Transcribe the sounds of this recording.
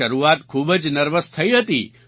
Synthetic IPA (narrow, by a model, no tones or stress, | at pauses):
əɾuat̪kʰuːbəd͡ʒnəɾʋəst̪ʰəiɦət̪ḭ